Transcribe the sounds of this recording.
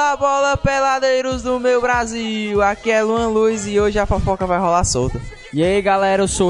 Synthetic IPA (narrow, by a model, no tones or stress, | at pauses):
abɔlɐpelad̪ejɾʊzd̪ʊmewbɾaziwakiɛluɐ̃lujzɪoʒɪafafɔkɐvajɦɔlasowt̪ɐ | iɐiɡalɛɾɐso